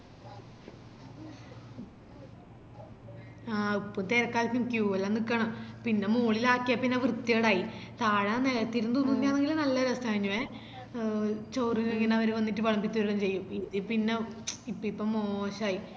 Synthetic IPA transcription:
aːipːomt̪eɾɐkːaːlfʲumkjuɐlːanikːɐɳɐmpinːe̞muːɭilaːkːijapːinːeʋrɨt̪ːijeɽaːjit̪aːɻɐneɐt̪ːiɾunt̪onːuinːiaːneŋɡilnɐlːɐɾɐst̪ɐɐɻiɲːuʋe | t͡ɕowriɣeŋːɐnɐʋɐɾuʋɐnːiʈːɨpɐɭɐmbit͡ɕːuɐɾiɽɐmt͡ɕe̞jːumiðipinːeipːoipːomoːɕaːji

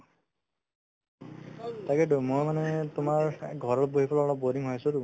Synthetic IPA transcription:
takɛdumojmanɛtʊmaɹɡʱɔɹɔlboɦipʰɔlɔlɔboɾiŋɦɔjasʊtu

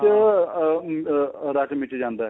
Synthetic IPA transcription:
ɾat͡ʃmɪʈd͡ʒãːnd̪aːɦ

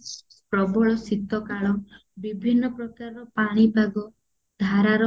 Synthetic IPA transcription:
pɾɔbɔɭɔsit̪ɔkaɭɔ | bibʱinːɔpɾɔkaɾɔɾɔpaɽ̃ibʱaɡɔ | d̪ʱaɾaɾɔ

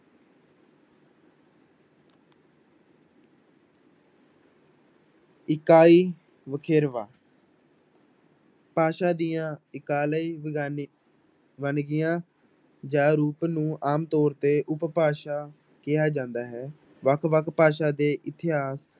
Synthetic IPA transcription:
ɪkaːiː | ʋəkʰeːɾʋaː | paːʃaːd̪ijãːɪkaːləiː | ʋənɡɪjãː | d͡ʒãːɾuːpnũːʔaːmt̪ɔːɾt̪eːʔʊppaːʃaː | kɪjaːd͡ʒãːnd̪aːɦɛː | ʋəkʰʋəkʰpaːʃaːd̪eːʔɪt̪ɪɦaːs

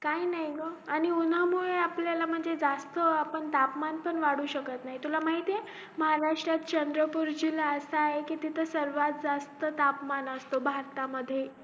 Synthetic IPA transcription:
kainaɦiɡoaɽ̃iun̤əmuɭeapljalam̤əɳd͡zed͡zast̪əapəɳt̪apmanpəɳʋaɽuːɕəkət̪naɦit̪ulamaɦit̪je | məɦaɾaʂʈɾat̪̚t͡ɕənd̪ɾəpuɾd͡ʑilaəsaːɦekiːt̪it̪ʰəsəɾʋat̪̚d͡zast̪ət̪apmanəst̪obʱaɾt̪aməd̪ʱːje

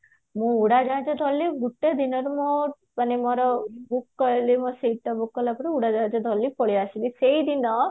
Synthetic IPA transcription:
mũuɽad͡ʒãd͡ʒɔd̪ʱɔlːiɡuʈːed̪inɔɾumɔ | animɔɾɔbukːɔlimɔsiʈːɔbukːɔlapɔɾiuɽad͡ʒãːd͡ʒɔd̪ʱɔlːipɔɽiasiliseid̪inɔ

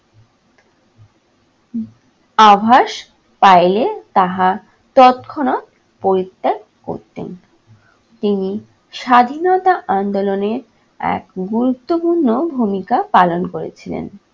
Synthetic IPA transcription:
abʱaʃ | pajlet̪aɦa | t̪ɔt̪kʰonot̪̚ | poɾit̪ːek̚ | ko̰ɾt̪ḛn | t̪ini | ʃad̪ʱinɔt̪aʔand̪oloneɾ | ɛ̰kɡuɾut̪ːopuɾnːobʱumikapalonkoɾḛt͡ɕʰilḛn

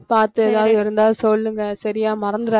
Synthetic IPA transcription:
paːɾt̪ɯɛðaːðɪɾɯnd̪aːsɔlːɯŋɡɐsɐɾɪjaːmɐɾɐnd̪ɯɾaː

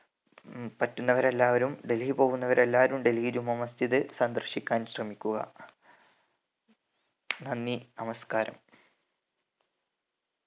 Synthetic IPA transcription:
pɐtːunːɐʋɐɾe̞lːaːʋɐɾumɖe̞lhipo̞ːɣunːɐʋɐɾe̞lːaːʋɐɾumɖe̞lhiɾumːɐmɐst̪ʰiðɨsɐnd̪rɨɕikʲːaːnɕrɐmikʲːuɣɐ̰ | nɐnːinɐmɐskaːɾɐ̰m

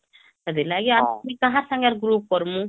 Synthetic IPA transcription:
ed̪ilaɡiamik̪ãɦãɾsãŋɡaɾɡɾup̚kɔɾmũ

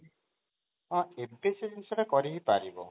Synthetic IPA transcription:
ɔ̃empesiɾinsɔɾekɔɾiɦipaɾibɔ̰

